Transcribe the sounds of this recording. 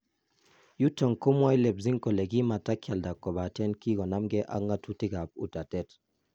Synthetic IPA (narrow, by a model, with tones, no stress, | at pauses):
ju˦tə˨ŋko˦mwa˦jlɛ˨bzi˦ŋkɔ˨lɛ˨ɡi˦ma˨ta˦kʲja˨lda˨kːɔ˨ba˨tɛ˦nki˦kɔ˨na˦mɡɛ˦ʔa̰˦ŋɡa˦tu˦ti˦ɡa˨p̚ṵ˨ta˨tɛ˦t